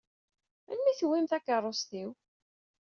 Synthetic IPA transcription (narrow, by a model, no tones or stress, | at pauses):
æ̰nːiθwːimθækːərˤːosθiw